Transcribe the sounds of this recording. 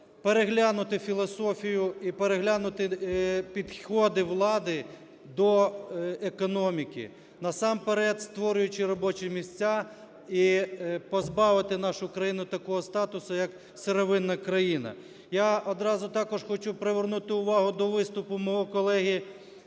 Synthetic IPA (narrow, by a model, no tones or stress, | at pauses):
peɾeɦlʲanʊt̪ɪfʲilˠɔsɔfʲijʊipeɾeɦlʲanʊt̪ɪpʲid̪xɔd̪ɪʋlˠɑd̪ɪ | d̪ɔ | ekɔnɔmʲikɪ̰ | nɐsɑmpeɾɛt̪st̪ʋɔɾʲʊjʊt͡ʃɪɾɔbɔt͡ʃɪmʲisʲt͡sʲa | ipɔzbɑʋɪt̪ɪnɑʃʊkɾɐjinʊt̪ɐkɔɦɔst̪ɑt̪ʊsʊjɐk | seɾɔʋɪnːɐkɾɐjinɐ̰ | jaɔd̪ɾɑzʊt̪ɑkɔʒxɔt͡ʃupɾeʋernut̪ɪʊʋɑɦʊd̪ɔʋɪst̪ʊpʊmɔɦɔkɔlˠɛɦʲi